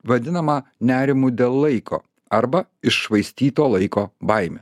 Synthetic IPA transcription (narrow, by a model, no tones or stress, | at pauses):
ʋɐd̪ʲɪnɐmɐnʲæːɾʲɪmuːd̪ʲeːlˠlˠɐɪkʰo̰ː | ɐɾbɐɪʃʃʋɐɪsʲt̪ʲiːt̪oːlˠɐɪkoːbɐɪmʲḛː